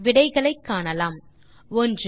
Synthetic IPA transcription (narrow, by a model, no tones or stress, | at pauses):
ʋɪɽɐɪɣɐɭɐɪkːaːɳɐlaːm | ɔndr